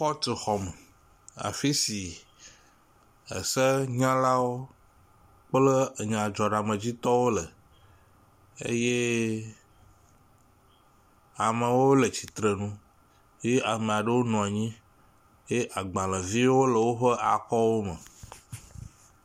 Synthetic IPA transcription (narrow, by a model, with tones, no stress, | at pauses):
xɔ˦t̪e˨xɔ˨mə̃˨ | a̰˨fi˦si˨ | ə̰˨sə˦ɲã˦la˦wo˦ | k͡plə˦˨ɲã˨d͡ʒɔ˨ɖa˨mə̃˨d͡ʑi˦t̪ɔ˦wo˦lə˨ | ḛ˦je˦ | a˨mə̃˨wo˦lə˨t͡ʃi˨t̪ɾə˨nũ˦ | je˦a˨mẽ˨a˨ɖə˦wo˦nɔ̃˨a˨ɲĩ˦ | je˦ʔa˨ɡ͡bã˨lə˨vi˦wo˦lə˨wo˦ɸə˦ʔa˨kɔ˦wo˦mə̰̃˨